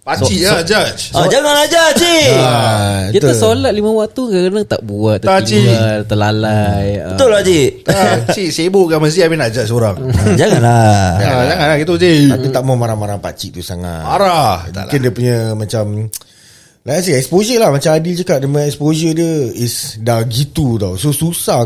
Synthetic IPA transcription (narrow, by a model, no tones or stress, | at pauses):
paiʔad͡ʒat͡ʃad͡ʒaŋanlad͡ʒat͡ʃiakit̪asolat̪̚limə̃waʔt̪ukakənaŋt̪a̰ʔbuat̪ːət̪at͡ʃiat̪əlalajət̪ʊlad͡ʒiʔ̪asiʔseboʔkanmas̬t̪iapinaʔd͡ʒat͡ʃoɾaŋd͡ʒaŋanlaaad͡ʒaŋanlakit̪uod͡ʒeapit̪aʔmamaɾaŋmaɾaŋpa̰t͡ʃiʔt̪usaŋa̰t̪aɾabukindiəpuɲəmãt͡ʃam | laʔs̬iɛkspozəlahmat͡ʃamadild͡ʒukaʔdəmə̃ɛkspozədəisdaɡit̪ut̪awsosusa